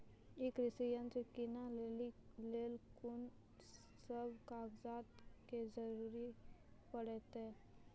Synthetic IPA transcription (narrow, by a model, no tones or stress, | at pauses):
ɪkɾɪsijə̃ntekɪnaeileːlkʊn | səbkaːɡzaːt̪kezəɾuːɾipəɽɛt̪e